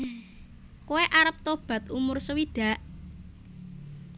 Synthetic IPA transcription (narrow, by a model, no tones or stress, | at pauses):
kuweʔaɾəp̚t̪ob̥ä̤t̪umʊrsəwiɖ̥a̤ʔ